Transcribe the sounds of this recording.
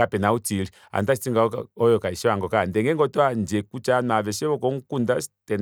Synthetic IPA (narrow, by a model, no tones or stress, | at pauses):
apɛnautili | a̰ntasi̥tiŋɡaɔjɔkaiʃɔaŋɡɔkandɛŋɡɛŋɡɔtɔand͡ʒɛkut͡ʃanavɛsɛβɔkɔŋkundastɛn